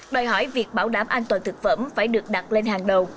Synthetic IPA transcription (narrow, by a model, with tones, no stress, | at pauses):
ɗəː˨˩jhɔ˧˩˦jvi˨˩ək̚ɓaː˧˩wɗaː˧˩mʔaː˧nt̪waː˨˩nt̪ɨ˨˩k̚fə̰˧˥mfaː˧˩jɗɨ˨˩ək̚ɗa˨˩t̚le˧nhaː˨˩ŋɗə˨˩w